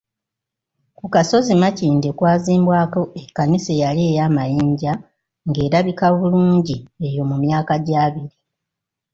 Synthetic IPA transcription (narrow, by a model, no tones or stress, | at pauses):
kukaso̞zimaciːndekwaːziːmbwaːko̞ekːanisejaleːjaːmajiːɲɟa | ŋɡe̞ːɾaβikaβuluːɲɟie̞jo̞mumjaːkaɟaːβiɾi